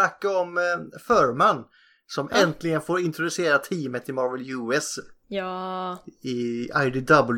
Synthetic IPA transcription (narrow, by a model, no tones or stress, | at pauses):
akːaɔmfœːɾmanː | sɔmʔɛnt̪lɪɡənfoːɾɪnt̪ɾɔd̪ʉseːɾat̪ʰiːmət̪ɪmɑɾvɛljʉːɛs | ɪa̰ɪɖɪd̪ɑbəl